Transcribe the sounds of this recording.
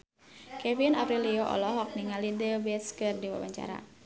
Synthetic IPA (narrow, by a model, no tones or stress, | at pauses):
kɛvinapɾilioʔɔ̰lɔɦɔk̚niŋalidəbɛt̪skɨrdiwa̰baɲt͡ʃa̰ɾa̰